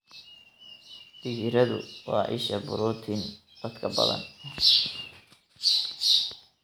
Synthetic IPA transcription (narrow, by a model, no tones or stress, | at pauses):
b̥ɪɣɪɾɐðʊ̰wɑːʔɪ̰ʃɐbʊɾuːt̪ʰɪn | d̪̥ɐd̪kʰɐbɐ̰ðɐ̰n